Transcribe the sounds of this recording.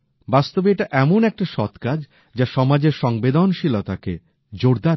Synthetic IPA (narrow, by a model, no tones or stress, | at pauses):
bast̪obeʈaʔɛmonɛk̚ʈaʃɔt̪kad͡ʑ | d͡ʑaʃɔmad͡ʑeɾʃɔŋbed̪onʃilot̪akḛ | d͡ʑoɾd̪a